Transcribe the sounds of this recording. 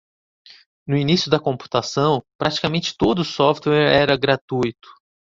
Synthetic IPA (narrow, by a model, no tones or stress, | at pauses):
nʊinisjʊd̪ɐkõmpu̥t̪asɐ̃w̃pɾat͡ʃi̥kamẽnt͡ʃɪ̥t̪od̪ʊːsɔft̪wɛɾɛɾɐɡɾat̪ujt̪ʊ̥